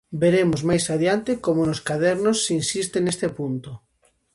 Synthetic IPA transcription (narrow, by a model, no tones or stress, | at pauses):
beɾemʊzmajsaðjant̪ekomonoskaðɛɾnosːinsist̪enest̪epunt̪o